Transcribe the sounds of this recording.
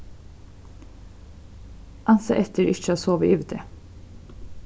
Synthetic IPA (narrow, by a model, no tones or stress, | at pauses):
ʔɑnsɑ̰ːʔɛt̪ʰəɾʔɪc͡çəoːsoːʋəʔyːʋət̪ʰḛː